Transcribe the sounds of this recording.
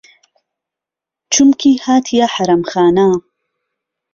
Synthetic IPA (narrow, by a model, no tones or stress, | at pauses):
t͡ʃumkʰihaːt̪ʰijaħɐɾɐmxaːna